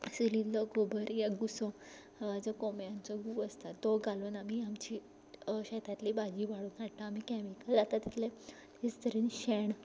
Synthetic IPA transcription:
silid̪lɔɡobʱəɾjaɡusɔ̃ | haʋad͡zɔkomjãnt͡sɔɡuːəst̪ad̪oɡaluːnamiamt͡ɕiː | ɕɛt̪ʰat̪liːbad͡ʑiːʋaɽuːnaʈaamikɛmikəld͡zat̪at̪it̪le | it͡st̪əɾiːnɕeɳ

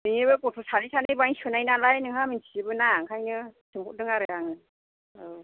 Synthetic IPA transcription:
dɯŋibɯkutʰusanisʰanɯjbaŋsɯnajnalajnɯŋhaminsʰiɯbɯnaŋkʰajnɯsʰɯŋʰɔdɯŋaɾɯjaŋnɯ

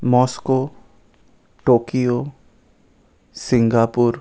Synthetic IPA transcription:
mɔːskoː | ʈoːkijo | sɪ̃ŋɡaːpʊɾ

